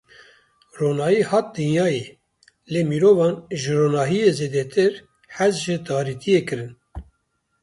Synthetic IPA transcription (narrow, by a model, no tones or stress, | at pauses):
roːnɑːjiːhɑːt̪̚d̪ɨnjɑːjeː | leːmiːɾoːvɑːnʒɨɾoːnɑːɦijeːzeːd̪ɛt̪ʰɨɾ | ħɛzʒɨt̪ɑːɾit̪ʰijeːkɨɾɨn